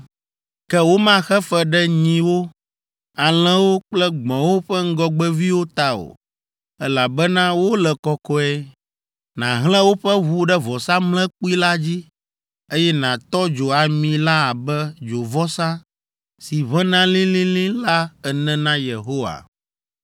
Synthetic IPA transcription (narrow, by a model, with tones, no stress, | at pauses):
kɛ˦wo˦mã˦xɛ˦fɛ˦˨ɖɛ˦ɲĩ˨wo˦ | a˨l̃ɛ̃˦wo˦k͡plɛ˦ɡ͡bɔ̃˨wo˦ɸɛ˦ŋ̩˦ɡɔ˦ɡ͡bɛ˦vi˦wo˦t̪a˨o̰˨ | ɛ˦la˨bɛ˦nã˦wo˦lɛ˨kɔ˦kɔ˦ɛ˦ | nã˨ɦlɛ̃˦wo˦ɸɛ˦βu˦ɖɛ˦vɔ˨sa˦mlɛ̃˦k͡pu˦i˦la˦d͡ʑi˦ | e˦jɛ˦nã˨t̪ɔ˦d͡ʒo˨a˨mĩ˨la˦a˨bɛ˦d͡ʒo˨vɔ˦sã˦ | si˨βɛ̃˦nã˦lĩ˦lĩ˦lĩ˦la˦ɛ˨nɛ̃˦nã˦je˨ɦo˦wa̰˨